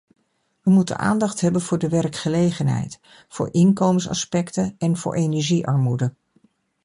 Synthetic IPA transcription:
ʋəmutə̰na̰ːndɑχtɦɛbənv̥ʊːɹdəʋɛrkχəlejχənɦɛ̰jt | fʊ̰ːɹʔɪnkowmənsɑ̰spɛktənɛnvʊ̰ːɹʔejnɛɹʒiʔɑɹmudə

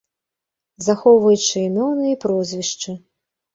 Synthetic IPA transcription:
zaxɔwvɐjut͡ʂɨinɔwnɨjɐpɾɔzʲvʲiʂt͡ʂɨ

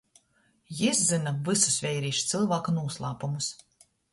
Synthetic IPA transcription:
jiszɨnavɨsu̥svʲɛjɾiːʃt̪sɨlˠvaːkunuɔslˠaːpumus

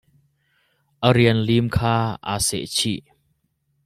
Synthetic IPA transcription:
ʔəɾiənlimkʰaːʔa̰sɛ̰t͡ɕʰiʔ

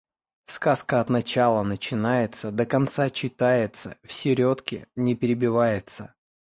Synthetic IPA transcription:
skaskəɐt̪nɐt͡ɕalˠənət͡ɕɪnajɪt̪səd̪əkɐnt̪sat͡ɕːɪt̪ajɪt̪sə̰fsʲɪɾʲo̞t̪kʲɪ̰nʲɪpʲɪɾʲɪbʲɪvajɪt̪sə

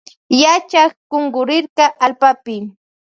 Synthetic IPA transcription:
jat͡ʃaχɢoŋɢʊɾɪɾɢɑʔalpapɪ

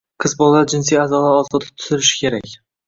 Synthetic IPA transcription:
qʰɨzbɒlˠaaɾd͡ʒɪns̬ijazɒlaɾɒzt̪ʰɪ̥p̚t̪ʰʊ̥zɪɾɪʃɪ̥kʲʰe̞ɾakʲ

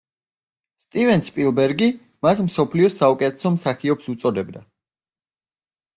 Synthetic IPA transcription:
st̪ʼivɛnspʼilˠbɛɾɡi | masmsɔpʰliɔsaukʼɛt̪ʰɛsɔmsaχiɔbsut̪sʼɔd̪ɛbd̪a

